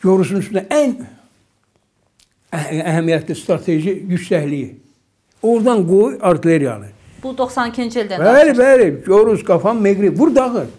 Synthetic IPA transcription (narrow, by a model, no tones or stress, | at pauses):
joɾusunyst̪ynd̪æʔæn | æɦæmijæt̪ʰlist̪ɾɑt̪ʰeʒijyʃsæhliji | oɾd̪ɑnɡojɑɾt̪ʰile̞ɾijɑ̰lˠɯ | b̥ud̪oχsɑnicʰint͡ʃeld̪ænælibæliɟoɾuzɡɑfɑmmeɡɾibbuɾd̪ɑɣɯɾ